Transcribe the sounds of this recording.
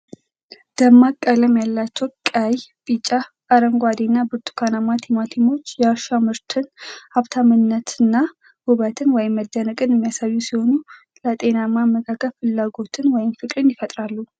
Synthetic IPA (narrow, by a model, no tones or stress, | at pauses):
d̪̥əmːakʼːələmjalːat͡ʃːɛwkʼajbʼit͡ʃʼːa | aɾəŋɡʷad̪inːabɨɾt̪ʰu̥kʰanamat̪ʰimat̪ʰimo̞t͡ʃːjɛaɾʃamɨɾt̪ʰɨnaβt̪ʰamɨnːət̪ɨnːa | huβat̪ʰɨnwɔjɪmːəd̪ːənəkʼɨnɨmːijasaβjusiho̞nu | lət̪ʼe̞namaməkʰakʰːəlfɨlːaɡo̞t̪ʰɨnwɔjɪmfɨkʼɾɨnjɪfət̪ʼɾalːu